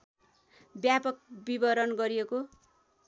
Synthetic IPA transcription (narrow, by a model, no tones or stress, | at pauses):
bjapʌkbibʌɾʌnɡʌɾijeko